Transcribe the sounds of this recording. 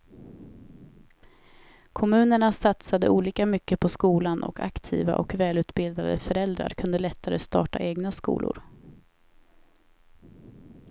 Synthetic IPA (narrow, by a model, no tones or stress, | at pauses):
kʰɔmʉ̟ːnəɳasat̪sad̪ə̰ʔuːliːkamʏkːəpʰɔskuːlanʔɔ̰kʰa̰kt̪ʰḭːva̰ʔɔkvɛːlʉ̟ːt̪bɪld̪ad̪ə̰fœɾɛld̪ɾa̰ɾkʰɵnd̪əlɛt̪ʰːaɾəst̪ɑ̰ːʈaʔeːɡnaskṵːlʊ̰ɾ